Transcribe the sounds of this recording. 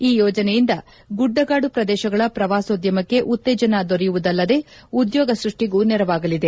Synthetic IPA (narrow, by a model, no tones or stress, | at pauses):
iːjɔːd͡ʒɐnejind̪ɐ | ɡuɖːɐɡaːɽupɾɐd̪ɛːʃɐɡɐɭɐpɾɐʋaːsoːd̪jɐmɐkːe̞ʔut̪ːeɛːd͡ʒɐnad̪oɾijuʋud̪ɐlːɐd̪e̞ːud̪jɔːɡɐsɾuʂʈiɡuːnɛɾɐʋaːɡɐlid̪e̞